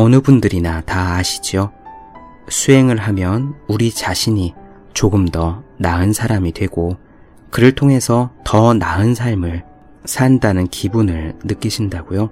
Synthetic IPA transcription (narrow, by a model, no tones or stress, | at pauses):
ʌnɯbundɯɾinataːɕʰi̥d͡ʑjo | sʰue̞ŋɯɭɦamjʌnuɾit͡ɕaɕʰiɲi | t͡ɕoɡɯmdʌnaɯnsʰaɾamidwe̞ɡ̥o | kɯɾɯɭtʰoŋɦe̞sʰʌtʌnaɯnsʰaɭmɯɭ | sʰandanɯnkʰibunɯɭnɯk͈iɕʰindaɡ̥ojo